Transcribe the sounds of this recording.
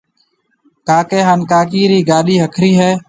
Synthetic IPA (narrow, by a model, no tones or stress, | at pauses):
kaːkeːɦaːnkaːk̬iːɾiːɡaːɗiːɦəkʰɾiːɦɛː